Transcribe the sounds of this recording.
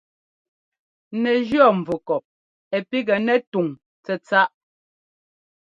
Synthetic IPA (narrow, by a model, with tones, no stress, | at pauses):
nɛ˨d͡ʒjɔ˦˨ɱ̩˨vu˨kɔ˨p̚ | ɛ˨pi˦ɡɛ˨nɛ˦tu˨ŋ | t͡sɛ˨t͡sa˦ʔ